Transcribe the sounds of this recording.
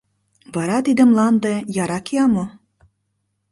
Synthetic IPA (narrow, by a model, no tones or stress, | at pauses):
βɑɾɑt̪id̪ə̆mlˠɑnd̪ejɑɾɑkijɑmo